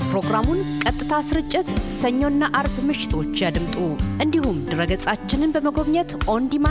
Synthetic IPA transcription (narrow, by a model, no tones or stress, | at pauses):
pɾo̞ɡɾamunkʼət̪ʼːɨt̪ʰasɨɾɨt͡ʃʼːɪt̪səɲːonːaʔaɾbmɨʃɪ̥t̪ʰo̞t͡ʃːjad̪ɨmt̪ʼuʔɨnd̪ihumd̪ɨɾəɡəsʼat͡ʃːɪnɨnbəməɡo̞βɲət̪ʔo̞nd̪ima